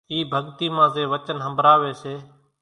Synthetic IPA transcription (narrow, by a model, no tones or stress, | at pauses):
iːbʱəɠt̪iːmãːzeːʋət͡ʃənɦəmbʱɾaːʋeːseː